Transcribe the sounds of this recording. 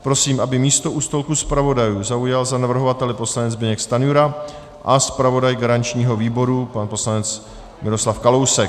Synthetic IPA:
pɾo̞siːmʔabɪmiːst̪o̞ʔuːst̪o̞lkuspɾavo̞dajuːzaujalzanavr̩ɦo̞vat̪ɛlɪpo̞slanɛd͡zbɪɲɛkst̪anjuɾa | ʔaspɾavo̞dajɡaɾant͡ʃɲiːɦo̞viːbo̞ɾupanpo̞slanɛt͡s | mɪɾo̞slafkalo̞wsɛ

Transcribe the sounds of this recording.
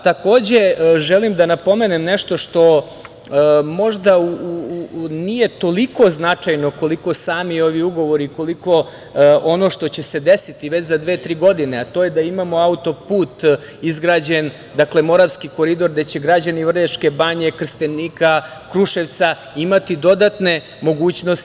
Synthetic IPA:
t̪ako̞ːd͡ʑe̞ʒelimd̪anapo̞me̞nemneʃt̪o̞ʃt̪o̞ | mo̞ʒd̪auunije̞t̪o̞liko̞znat͡ʂajno̞ko̞liko̞saːmio̞ʋiuɡo̞ʋo̞ɾiko̞liko̞ | ono̞ʃt̪o̞t͡ɕe̞se̞d̪esit̪iʋet͡ɕzad̪ʋe̞ːt̪ɾiːɡo̞d̪ineat̪ojed̪aimamo̞aut̪o̞puːt̪ | izɡɾaːd͡ʑen | d̪akle̞mo̞ɾaʋskiko̞ɾid̪o̞ɾd̪et͡ɕeɡɾad͡ʑaniʋr̩ʎeʂke̞baɲe̞kr̩st̪eniːkakɾuʃeʋt̪sa | imat̪id̪o̞d̪at̪ne̞ | mo̞ɡuːt͡ɕnost̪

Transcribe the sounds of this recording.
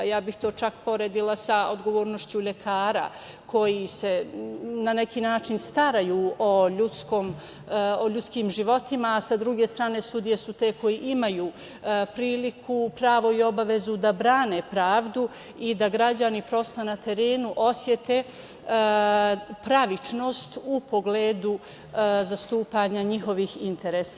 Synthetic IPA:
jaːbixt̪o̞ːt͡ʃakpo̞ɾeːd̪ilˠasaod̪ɡo̞ʋo̞ːɾno̞ʃt͡ɕuʎe̞kʰaːɾa̰ | kʰo̞jise̞nane̞kiːnaːt͡ʃinst̪aɾajuːoʎut̪skoːm | oʎut̪skiːmʒiʋo̞t̪imaːsad̪ɾuɡe̞st̪ɾaːne̞sud̪ijesut̪e̞ːko̞jiʔimajuː | pɾiːlikʰupɾaːʋo̞io̞baʋe̞zud̪abɾaːne̞pɾaːʋd̪u | id̪aɡɾad͡ʑanipɾo̞st̪ojenat̪e̞ɾe̞ːnuʔo̞sje̞t̪e | pɾaʋit͡ʃno̞ːst̪upo̞ɡleːd̪u | zast̪uːpaɲaɲixo̞ʋihint̪e̞ɾeːsa

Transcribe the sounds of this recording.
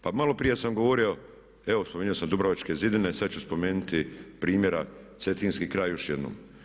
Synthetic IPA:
pamalo̞pɾije̞samɡoʋo̞ɾio̞ | eʋospomeɲuo̞samd̪ubɾaʋat͡ʃke̞zid̪ine̞sad̪t͡ɕt͡ʃuspo̞me̞ːnut̪ipɾiːmje̞ɾase̞t̪iːnskiːkɾaːjjo̞ʃje̞d̪no̰ːm

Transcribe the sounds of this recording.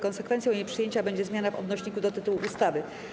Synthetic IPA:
kɔnsɛkfɛnt̪sʲjɔ̃wiɲepʂɘjeɲt͡ɕabɛɲd͡ʑɛzmʲjanavɔ̰d̪nɔɕɲikud̪ɔt̪ɘt̪uwuʔust̪avɘ

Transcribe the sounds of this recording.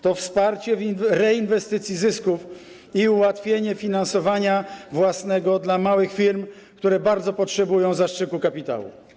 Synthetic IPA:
t̪ɔfspaɾt͡ɕɛvinɾɛinvɛst̪ɘt̪sʲjizɘskuf | iuwat̪fʲjeɲɛfʲinansɔvaɲavwasnɛɡɔd̪lamawɘxfʲiɾm | kt̪uɾɛbaɾd̪zɔpɔtʂɛbujɔ̃w̃zaʂt͡ʂɘkukapʲit̪a̰wṵ

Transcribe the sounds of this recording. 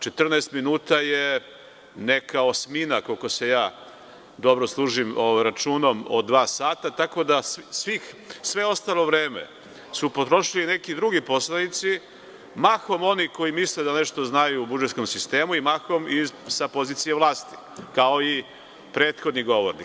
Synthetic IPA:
t͡ʃe̞t̪r̩nɛːst̪minuːt̪aje | nekaosminakolko̞se̞jaː | d̪o̞bɾoslˠuːʒimoʋjɾat͡ʃuːnomo̰d̪ʋaːsaːt̪at̪ako̞d̪assʋix | sʋe̞o̞st̪alo̞ʋɾeːmḛ | supo̞t̪ɾo̞ʃilinekid̪ɾuɡipo̞slˠanit̪si | maxo̞mo̞niko̞jimisled̪aneʃt̪o̞znajuːbud͡ʒet̪sko̞msist̪e̞ːmuimaxomisapo̞ziːt̪sijeʋlˠaːst̪i̥ | kao̞i | pɾeːt̪xo̞d̪niɡo̞ʋoɾnḭk

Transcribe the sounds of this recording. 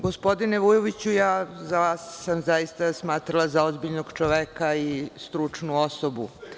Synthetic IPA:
ɡo̞spo̞d̪ineʋujoʋit͡ɕujaːzaʋaːsːamzaist̪asmaːt̪ɾalˠazaozbiʎnoɡt͡ʃoʋekaist̪ɾut͡ʂnuosobṵ

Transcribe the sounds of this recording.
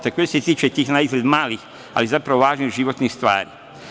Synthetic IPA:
t̪ekojeset̪iːt͡ʃet̪iːxnaizlʲed̪maːlix | a̰lizapɾaʋoʋaːʒniɣʒiʋot̪nixst̪ʋa̰ːɾi

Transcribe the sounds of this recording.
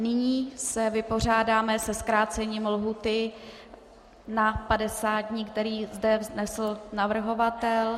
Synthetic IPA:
nɪɲiːsɛvɪpo̞r̝aːdaːmɛsɛskɾaːt͡sɛɲiːmlɦuːt̪ɪ | napadɛsaːd̪̚ɲiːkt̪ɛɾiːzdɛznɛsl̩navr̩ɦo̞vat̪ɛl

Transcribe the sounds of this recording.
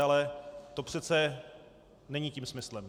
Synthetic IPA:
alɛt̪o̞pr̝̥ɛt̪t͡sɛ | nɛɲiciːmsmɪslɛm

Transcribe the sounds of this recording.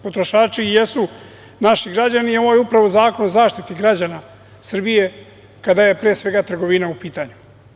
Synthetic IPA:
po̞t̪ɾo̞ʃaːt͡ʃijesu | naʃiɡɾad͡ʑanio̞ʋojeupɾaʋo̞zaːko̞nozaːʃt̪it̪iɡɾad͡ʑana | sr̩bije̞ | kad̪aje̞pɾeːsʋe̞ɡat̪r̩ɡo̞ʋinaupiːt̪aɲu

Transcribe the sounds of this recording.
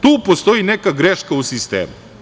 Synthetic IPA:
t̪uːpost̪o̞inekaɡɾeʃkausist̪ḛːmu

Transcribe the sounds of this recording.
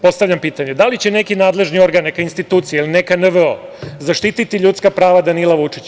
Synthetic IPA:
po̞st̪aʋʎʲampiːt̪aɲed̪alit͡ɕe̞ne̞kinaːd̪leʒnio̞ɾɡanːekainst̪it̪uːt̪sijeiline̞kanəʋo̰zaʃt̪it̪it̪iʎut̪skapɾaːʋad̪anilˠaʋut͡ʂi̥t͡ɕ

